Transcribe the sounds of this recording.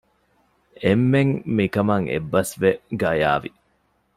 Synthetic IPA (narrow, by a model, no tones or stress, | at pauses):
emːeŋmikɐmɐŋḛbːɐsʋeɡɐja̰ːʋi